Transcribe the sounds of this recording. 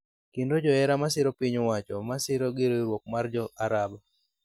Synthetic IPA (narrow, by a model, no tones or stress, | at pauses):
kɪndod͡ʒɔɛɾamas̬ɪɾɔpiɲwat͡ʃɔmasɪɾoɡɪɾeɾwok̚mard͡ʒɔʔaɾaba